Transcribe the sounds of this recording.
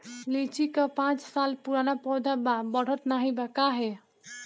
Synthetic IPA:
let͡ʃikəpãt͡ʃsalpuɾanapɔd̪ʱababəɽ̤ət̪naɦibɛkaɦe

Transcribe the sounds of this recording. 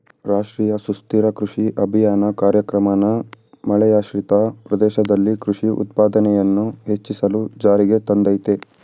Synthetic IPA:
ɾaːʂʈɾiːjɐsust̪iɾɐkɾuʂiʔɐbʱijaːnɐkaːɾjɐkɾɐmanɐ | mɐɭɛjaːʃɾit̪ɐpɾɐd̪ɛːʃɐd̪ɐlːikɾuʂiʔṵt̪̚paːd̪ɐnɛjɐnːuhet͡ʃːisɐlud͡ʒaːɾiɡe̞t̪ɐnd̪ɐjt̪e

